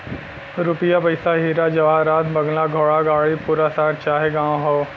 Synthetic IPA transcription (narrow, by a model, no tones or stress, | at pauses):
ɾupijapɐɪsaɦiːɾad͡ʒɐʋaːɾaːt̪bɐɡlaɡʱoːɭaɡaːɭipuːɾasaːɾt͡ʃaːɦeɡãːõɦoː